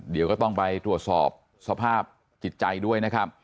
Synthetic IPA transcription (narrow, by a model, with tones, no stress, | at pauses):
di˨˦wkɔː˥˩t̪ɔ˥˩ŋpa˧jt̪ɾu˨˩ət̪̚sɔ̰ː˨˩p̚ | sa˧pʰaː˥˩p̚ | t͡ɕi˨˩t̪̚t͡ɕa˧jdu˥˩əjna˦˥kʰa˦˥p̚